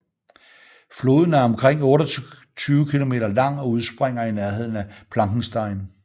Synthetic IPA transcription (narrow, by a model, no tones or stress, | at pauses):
flo̝ːð̞ˠn̩æɐɒ̽mkʰʁeŋ̰ɔ̽ːɾɐ | t͡sʰyːʊkʰilo̝me̝̰ːɾɐlɑ̈ŋ̰ɒ̽uð̞ˠsb̥ʁeŋ̰ɐinæɐɦe̝ð̞̰ˠn̩æpʰlɑ̈ŋɡ̥ŋ̩sd̥ɑ̈ɪn